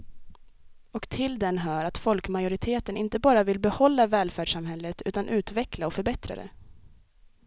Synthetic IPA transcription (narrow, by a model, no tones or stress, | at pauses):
ɔkt̪ʰɪld̪ɛnɦœːɾat̪fɔlkmajʊɾɪt̪ʰeːt̪ənɪnt̪əbɑːɾavɪlbɛhɔlːavɛːlfæːɖʂamɦɛlːət̪ʰʉːt̪anʔʉ̟ːt̪vɛklaɔfœɾbɛt̪ɾa̰d̪ɛ̰